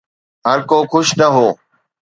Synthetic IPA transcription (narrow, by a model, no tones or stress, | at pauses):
ɦəɾkoːkʰʊʃnəɦoː